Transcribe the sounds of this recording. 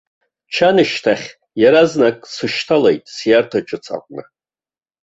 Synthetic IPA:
t͡ʃʰanɨʃtʰaχʲ | jaɾaznakʼsɨʃtʰalejtʼsjartʰaʈ͡ʂʼɨt͡sʰʼa̰qʷʼnɨ

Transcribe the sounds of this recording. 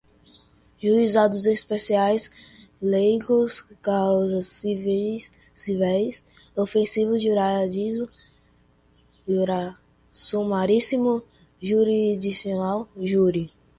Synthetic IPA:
ʒuizad̪ʊzespesiajslejɡoskawzɐsv | sivɛjs | ofẽsivʊzd͡ʒoɾad͡ʒizʊ | oɾa | somaɾisimʊ | ʒuɾid͡ʒisionawʒuɾi

